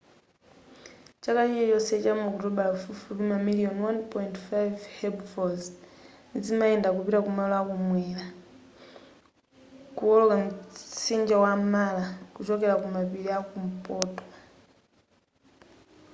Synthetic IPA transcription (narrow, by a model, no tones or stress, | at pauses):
t͡ʃakatit͡ʃɛt͡ʃɔsɛt͡ʃamuɔkutɔɓalafufuβimamiliɔnwanpɔjintfajvhɛbfɔz | nid͡zimaɛndakupiɾakumalɔakumwɛːla | kuɔlɔkam̩sind͡ʒawamalakut͡ʃɔkɛlakumapiɾiakum̩pɔːtʼwa